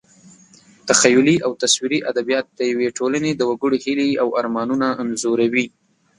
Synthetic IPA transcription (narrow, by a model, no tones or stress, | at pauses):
t̪axajʊliʔawt̪aswiɾiʔad̪abijɑt̪̚d̪əjaweʈʰolaned̪əwaɡəɽehiliawaɾmɑnunaːmzoɾawi